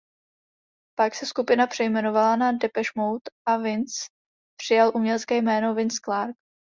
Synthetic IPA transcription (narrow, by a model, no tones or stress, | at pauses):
paksɛskupɪnapr̝̥ɛjmɛno̞valanadɛpɛʃmowt̪ʔavɪnt͡s | pr̝̥ɪjalʔumɲɛlɛt͡skɛːjmɛːno̞vɪnsklaɾk̚